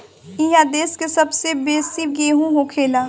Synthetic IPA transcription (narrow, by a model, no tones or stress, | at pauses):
ĩɦad̪eːskesɐbsebeːsiɡeːɦũɦokʰeːlaː